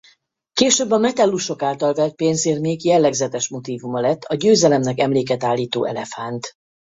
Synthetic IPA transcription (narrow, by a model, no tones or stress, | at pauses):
keːʃøːbːɒmɛt̪ɛlːuʃo̞kaːlt̪ɒlvɛlt̪̚peːnzeːrmeːɡjɛlːɛɡzɛt̪ɛʃmo̞t̪iːvumɒlɛt̪ːɒɟøːzɛlɛmnɛkɛmleːkɛt̪aːlːiːt̪o̰ːʔɛ̰lɛfant̪